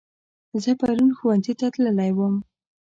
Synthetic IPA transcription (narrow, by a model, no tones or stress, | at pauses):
zəpaɾunxuwanzit̪at̪ləlajwəm